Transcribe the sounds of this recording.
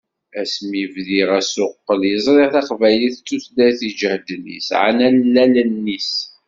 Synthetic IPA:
æsmivðiʁæsʊqːəljəzˤɾˤeʁθɑqvæjliθt͡sːuθlæθid͡ʒəhd̪nḭsʕa̰nænlːælnnːis

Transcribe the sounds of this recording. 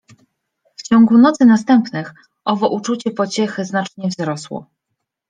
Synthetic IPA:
ft͡ɕɔŋɡunɔt̪sɘnas̬t̪ɛmpnɘx | ʔɔvɔʔut͡ʂut͡ɕɛpɔt͡ɕɛxɘznat͡ʂɲɛvzɾɔswɔ̰

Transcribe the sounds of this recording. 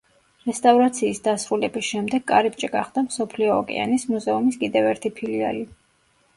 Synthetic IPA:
ɾɛst̪ʼavɾat̪sʰiːsd̪asɾulɛbisʃɛmd̪ɛɡʼa̰ɾip̚t͡ʃʼɛɡaχd̪amsɔpʰliɔɔkʼɛ̰a̰nismuzɛumiskʼid̪ɛvɛɾt̪ʰipʰilia̰li

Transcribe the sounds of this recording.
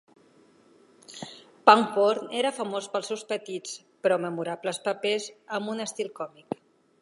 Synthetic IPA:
paŋpoɾneɾəfəmospəlˠsɛwspət̪it͡s | pɾɔməmuɾapləspəpezəmbunəst̪ilˠkɔmik

